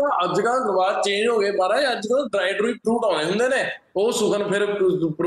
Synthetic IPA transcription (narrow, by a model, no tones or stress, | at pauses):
ãːʔəd͡ʒkãːkəɾʋaːɾt͡ʃẽːd͡ʒɦoːɡeːbaːɾaːeəd͡ʒkãːɖɾaːɪɖɾuiːpɾuːʈãːɽ̃ẽːd͡ʒə̃nd̪eːneː | oːsʊkʰənpʰɪɾpɾ